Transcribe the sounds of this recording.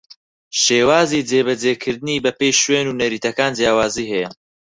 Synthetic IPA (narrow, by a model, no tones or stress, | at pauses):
ʃeːwaːzid͡zeːbɐd͡zeːkʰɨɾd̪ɨniːbɐpejʃweːnuːnɐɾiːt̪ʰɐkaːnd͡zjaːwaːziːɦɛjɐ